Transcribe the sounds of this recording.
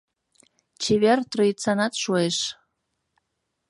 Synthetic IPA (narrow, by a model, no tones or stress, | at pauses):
t͡ɕeβert̪roit͡sɑnɑt̪ʃueʃ